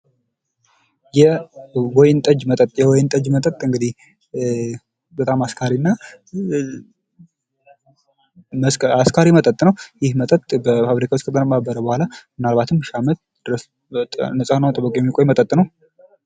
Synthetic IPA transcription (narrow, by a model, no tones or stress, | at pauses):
jɛwojɪnt̪ʼəd͡ʒmət̪ʼət̪ʼjɛwɔjnt̪ʼəd͡ʒmət̪ʼət̪ʼɨŋɡɨd̪ih | bət̪ʼamaskʰaɾinːa | məsaskʰaɾimət̪ʼət̪ʼnəwjɪhmət̪ʼət̪ʼbəfaβɾikʰawt͡ʃkʰət̪ʰʼənəmːabəɾəbəhʷalamɨnalβat̪ʰɨmːʃamət̪̚ | d̪̥ɨɾəs | nəsʼanawt̪ʼɨbəkʼojɛmːikʼojmət̪ʼət̪ʼːnəw